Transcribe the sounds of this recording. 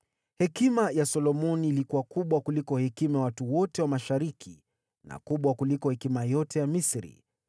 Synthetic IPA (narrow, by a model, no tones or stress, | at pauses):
hɛkimajasɔlɔmɔniːlikuwakuɓwakulikɔhɛkimajawatuwɔtɛwamaʃaɾikʰi | na̰kuɓwakulikɔhɛkimajɔtɛjamisɾḭ